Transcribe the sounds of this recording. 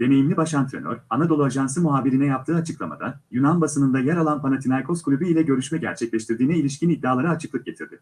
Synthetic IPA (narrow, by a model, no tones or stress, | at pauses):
d̥̪e̞ne̞jimlʲibaʃant̪ɾḛnø̰ɾanad̪o̞lˠuaʒans̬ɯmuɦaːbiɾinɛjap̚t̪ʰɯːat͡ʃʰɯklˠama̰d̪a̰jynanbasɯnɯnd̪ajɛɾalˠanpanat̪ʰinaɾkʰo̞skʰulʲubyilʲɛɟø̞ɾyʃmɛɟæ̰ɾt͡ʃʰɛclʲɛʃt̪iɾd̪iːnɛilʲiʃcinid̪ːaːlˠaɾɯat͡ʃʰɯklˠɯk̚ɟe̞t̪ʰiɾd̪ɪ